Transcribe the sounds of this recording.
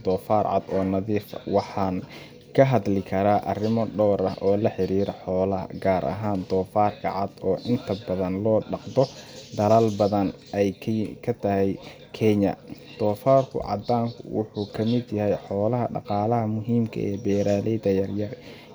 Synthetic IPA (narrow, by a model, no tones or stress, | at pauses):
d̪ɔːfaːrʕɑ̰d̪ɔːnɐðiːfwɑħɑːn | kʰɐɦɐd̪lɪkʰɐɾaːʔɐrɪmɔɖɔːɾɐɦʔɔːlɐħɪɾiːɾɐħɔːlɐɦɐ̰ɡaːɾʔɐ̰ɦaːnd̪ɔːfaːrkʰɐ̰ʕɑd̪ɔːʔɪnt̪ʰɐbɐðɐnlɔːɖɑqd̪ɔd̪ɐlɐlbɐðɐn | ɛjʰkʰɐt̪ʰɐhɛj | kʰɛɲɐ̰ | d̪̥ɔːfaːrkʰʊ̰ʕɑ̰d̪aːŋkʰʊ̰wʊ̰ħuːkʰɐmɪd̪jɐhɛjħɔːlɐɦɐɖɑ̰qɑːlɐɦɐmʊɦiːmkʰɐ̰ʔɛ̰ːbɛːɾaːlɛjðɐjɐrjɐr